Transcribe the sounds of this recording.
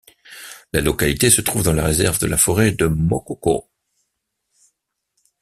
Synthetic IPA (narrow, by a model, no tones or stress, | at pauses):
lalɔkalit̪esət̪χuvd̪ɑ̃laʁezɛʁvd̪əlafɔʁed̪əmɔkɔko̰